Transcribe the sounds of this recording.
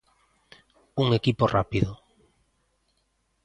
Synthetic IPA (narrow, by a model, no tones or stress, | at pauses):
uŋekiporʔa̰piðo